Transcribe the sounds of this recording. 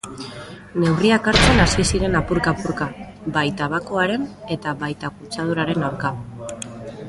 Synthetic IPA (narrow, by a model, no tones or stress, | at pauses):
ne̞wriakaɾt͡senasisiɾe̞napuɾkapuɾka | bajt̪aβako̞aɾe̞ne̞t̪aβajt̪akut͡sað̞uɾaɾe̞nawɾka